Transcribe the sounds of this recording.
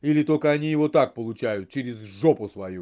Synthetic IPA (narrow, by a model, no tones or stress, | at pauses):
ilʲɪt̪olʲkəɐnʲijɪvot̪ak̚pəlˠʊt͡ɕæjʊt̪̚t͡ɕɪɾʲɪzʐopʊsvɐju